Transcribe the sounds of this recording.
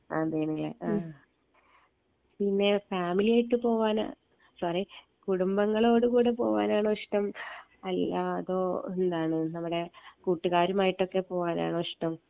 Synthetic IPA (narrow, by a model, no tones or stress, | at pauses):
aːd̪eːnɐŋːɐɭḛʔa | pinːe̞faːmilijaːjiʈːɨpo̞ːʋaːna̰ | sɐri | kuɽumbɐŋːɐɭo̞ːɽɨkuːɽepo̞̰ːʋa̰ːnaːɳɨoʂʈɐm | ɐlːaðo̞ːend̪aːɳɨnɐmːuɽe̞kuːʈːuɣaːɾumaːjiʈːo̞kːe̞po̞ːʋaːna̰ːɳɨoʂʈɐm